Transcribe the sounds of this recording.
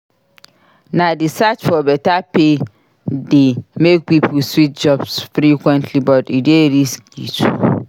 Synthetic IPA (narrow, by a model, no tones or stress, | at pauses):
nãdɪsat͡ʃfɔbɛtape | dɪmek̚pipʰswit̚d͡ʒɔbsfɾikʰwɛ̃ntʰlibɔtɪdɪeɾiskɡḭtʰu